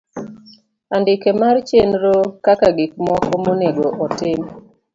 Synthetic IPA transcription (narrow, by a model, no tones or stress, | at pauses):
andɪkemart͡ʃenɾokakaɡɪk̚mɔkɔmoneɡoʔɔtɪm